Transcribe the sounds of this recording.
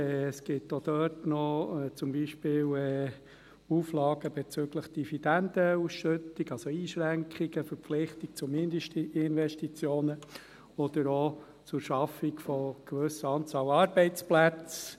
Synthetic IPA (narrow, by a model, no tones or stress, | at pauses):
ɛsɡ̥ɪtːod̥̪œːtnɔɛt͡sʊmbiːʃpɪːlɛ | uːflɑːɡəbɛt͡søɡləχd̥ivid̥̪ænd̥̪əusʃʏtiɡɑlsoiːʃɾæŋkχiɡ̥əfəɾpflɪχtik̚t͡sʊmɪndʃtɪnvɛʃtit͡sjoːnə | ɔd̥̪əɾo | t͡sʊɾʃɑfikfɔɡ̥ʋɵsəɑnt͡sɑːlɑːɾbɛɪt͡splæt͡s